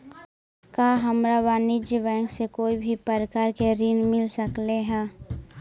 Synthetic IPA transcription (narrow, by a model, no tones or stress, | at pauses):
kaːɦəmɾabaːnɪd͡ʒbɛ̃ːŋksekoːibʱipəɾkaːɾkeɾiːnmɪlsəkleɦɛ̃ː